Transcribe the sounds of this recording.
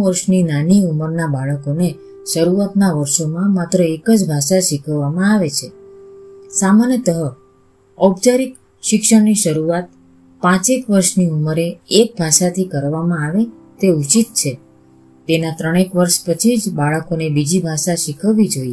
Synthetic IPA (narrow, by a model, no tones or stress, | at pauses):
ʋəɾʃninaniuməɾnabaɭəkone | ʃəɾuat̪naʋəɾʃomãmat̪ɾəekəd͡ʒbʱaʃaʃikʰəʋːamãaʋet͡ʃʰe | samanjət̪əɦə | əbd͡ʒaɾik | ʃɪkʃəɽniʃəɾuat̪̚ | pãt͡ʃekʋəɾʃniuməɾeek̚bʱaʃat̪ʰikəɾʋamãaʋe | t̪eut͡ʃit̪̚t͡ʃʰe | t̪enat̪ɾəɽ̃ekʋəɾʃpət͡ʃʰid͡ʒbaɭəkonebid͡ʒibʱaʃaʃikʰəʋːid͡ʒoie